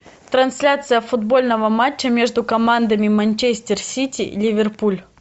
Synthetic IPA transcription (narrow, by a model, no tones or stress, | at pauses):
t̪ɾɐnsʲlʲat̪sɨjəfʊd̪bo̞lʲnəvəmat͡ɕːəmʲeʐd̪ʊkɐmand̪əmʲɪmɐnʲt͡ɕesʲtʲɪrsʲitʲḭlʲɪvʲɪrpulʲ